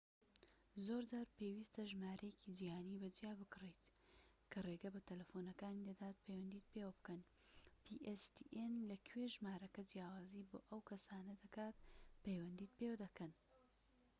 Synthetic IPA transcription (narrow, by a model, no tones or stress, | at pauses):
zoːɾd̪aɾpewist̪ɐʒmaːɾʔɐjecid͡ʒihaːniːbɐd͡ʒijaːbɨkɨrejt̪ | kʰɐreːɡɐbɐt̪ʰɐlɐfonɐkaːnid̪ɐd̪aːt̪̚pʰɐjwɐnd̪iːt̪̚pewɐbɨkɐn | pʰiʔest̪ḭʔenlɐkʰweʒmaːɾɐkɐd͡ʒjaːwaːziːbo̰ːʔɐwkʰɐsaːnɐd̪ɐkaːt̪pɐjwɐnd̪iːt̪̚pewɐd̪ɐkɐn